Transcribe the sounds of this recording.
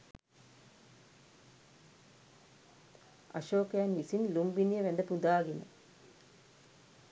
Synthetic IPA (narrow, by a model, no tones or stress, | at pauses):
ɐ̰ʃoːkejanʋisinlumbinijəʋɛnd̪əpud̪aːɡinə̰